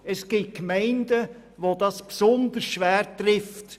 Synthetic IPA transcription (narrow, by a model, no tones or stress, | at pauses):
ɛsɡ̥iːt̚kmɛɪndə | ʋodɑspsɔnd̪əɾsʃʋæːɾtɾɪft